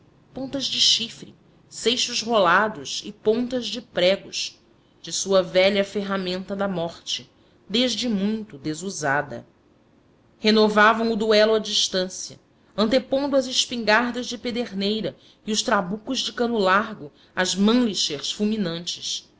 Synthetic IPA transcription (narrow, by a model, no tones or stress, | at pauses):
põnt̪ɐzd͡ʒɪʃifɾɪ | sejʃʊzɦolad̪ʊzɪpõnt̪ɐzd͡ʒɪpɾɛɡʊʃ | d͡ʒɪsuɐvɛʎɐfeɦamẽnt̪ɐd̪ɐmɔχt͡ʃɪ | d̪eʒd͡ʒɪmũj̃t̪ʊd̪ezuzad̪ɐ̰ | henovavɐ̃w̃ʊd̪uɛlʊɐd͡ʒiʃt̪ɐ̃sjɐ̰ | ɐ̃nt̪epõnd̪ʊɐzɪʃpĩŋɡaɾd̪ɐzd͡ʒɪped̪eɾnejɾɐ | iʊʃt̪ɾabukʊzd͡ʒɪkɐ̃nʊlaɾɡʊ | ɐzmɐ̃liʃeɾsfuwminɐ̃nt͡ʃɪs